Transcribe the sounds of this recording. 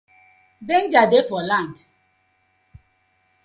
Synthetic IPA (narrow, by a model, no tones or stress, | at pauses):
dẽnd͡ʒadefɔlãnd